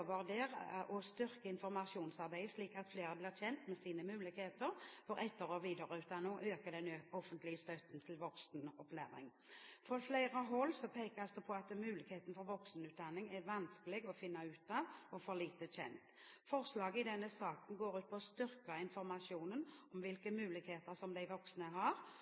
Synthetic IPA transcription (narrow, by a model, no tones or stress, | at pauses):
ʋɑʁd̪eːʁʔɔst̪ʏʁkəɪnfɔɾmɑʂuːnsɑʁbæɪsliːkɑt̪fleːʁəblɪːʁçɛnt̪mɛsiːnəmʉːlɪkheːt̪əɾfɔɾɛt̪ːəɾɔʋiːd̪əʁəʉːt̪d̪ɑnːɔʔøːkəd̪ɛnøɔfənt̪lɪəst̪œt̪n̩t̪ʰɪlʋɔksnɔplæ̰ːɾɪ̰ŋ | fʁɔflæɪʁəɦɔlːsɔpʰeːkɑsd̪ɛpʰɔɑt̪mʉːlɪkheːt̪n̩fɔɾʋɔksnʉːt̪̚d̪ɑnːɪŋæʋɑnskəlɪɡɔfɪnːɑʉːt̪ɑʋɔfɔɾliːt̪əɕɛ̰nt̪ | fɔʁslɑːɡəɪd̪ɛnːəsɑːkən̩ɡoːɾʉːt̪̚pʰɔst̪ʏɾkɑɪnfɔɾmɑʂjuːnənɔmʋɪlkəmʉːlɪkheːt̪əɾsɔmd̪æɪʋɔksnəɦɑɾ